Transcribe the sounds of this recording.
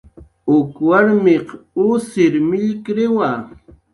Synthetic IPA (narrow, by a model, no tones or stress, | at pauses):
ʊkwaɾmeqʊsɪɾmɪʎkɾɪwa